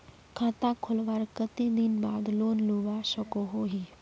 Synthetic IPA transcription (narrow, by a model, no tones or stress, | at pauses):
kʰãːt̪ãkʰʊlʋaɾkət̪id̪ɪnbaːd̪loːnluːbaʃəkoɦoɦi